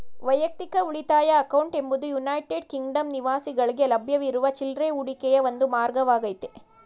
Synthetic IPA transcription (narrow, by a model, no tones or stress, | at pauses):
ʋɐjɐk̚t̪ikɐuɭit̪aːjɐːkɐwɳʈe̞mbud̪ujunɐjʈeɖ̚kiŋɡɖɐmniʋaːsiɡɐɭiɡelɐbʱjɐʋiɾuʋɐt͡ʃilɾeuɽikɛjɐʋond̪umaːɾɡɐʋaːɡɐjt̪e